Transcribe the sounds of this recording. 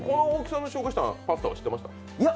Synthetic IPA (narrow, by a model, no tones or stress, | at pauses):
ko̞nooːkʲi̥sãnoɕo̞ːkaɕi̥t̪a̰pat̪ːaa̰ɕi̥t̪ːemaɕi̥t̪a | ja